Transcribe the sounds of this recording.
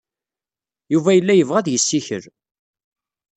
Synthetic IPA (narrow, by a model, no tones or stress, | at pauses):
juvæjəlːæjəvʁæðjəsːiçə̰ɾ